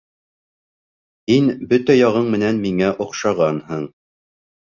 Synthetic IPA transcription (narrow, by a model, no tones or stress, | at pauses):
inbɵt̪æjɑʁɤɴmɘ̆nænmiŋæʔŏqʃɑʁɑnhɤɴ